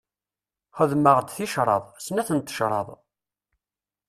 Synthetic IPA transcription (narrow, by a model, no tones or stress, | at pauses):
χəðməʁd̪θiʃɾˤɑ̰ðˤsnæθənt̪ːə̥ʃɾˤɑ̰ðˤ